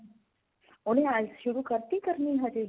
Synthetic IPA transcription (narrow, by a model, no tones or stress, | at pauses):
oɽ̃eazʃuɾukəɾt̪ik̪əɾniːɦad͡ʒe